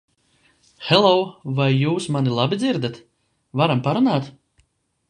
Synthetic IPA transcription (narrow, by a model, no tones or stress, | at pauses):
xɛlˠɔwvajːuːsmanilˠabid̪ziɾd̪at̪ | vaɾampaɾunaːt̪